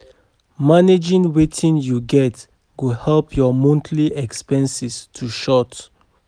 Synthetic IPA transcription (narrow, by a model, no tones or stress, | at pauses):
maned͡ʒĩŋwetʰĩnjuɡɛt | ɡohɛlpʰjɔmɔ̃ntʰliʔɛkspɛ̃nsistʰuʃɔt